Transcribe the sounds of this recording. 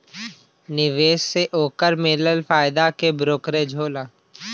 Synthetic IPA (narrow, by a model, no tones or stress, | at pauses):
nɪʋeːʃseʔoːkəɾmeːləlfaːɪd̪akebɾoːkɾed͡ʒʱoːlaː